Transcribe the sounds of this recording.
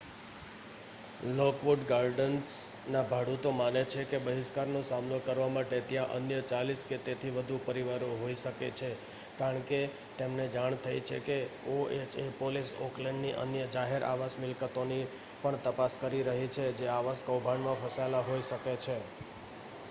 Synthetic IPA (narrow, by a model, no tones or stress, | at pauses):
lokʋoɖɡaɾɖəns | nabʱaɽut̪omanet͡ʃʰekebəɦɪʃkaɾnosamnokəɾʋamaʈet̪jãʔə̰njət͡ʃalisket̪et̪ʰiʋəd̪ʱupəɾiʋaɾõɦoiʃəket͡ʃʰe | kaɾəɳke | t̪emned͡ʒaɳ̃t̪ʰajt͡ʃʰḛkeoet͡ʃepoliso̰klẽɳɖniʔə̰njəd͡ʒaɦeɾʔa̰ʋasmɪlkət̪oni | pəɳt̪əpaskəɾiɾəɦit͡ʃʰed͡ʒeaʋaskəwbʱaɳmãfʰəsalaɦoiʃəket͡ʃʰe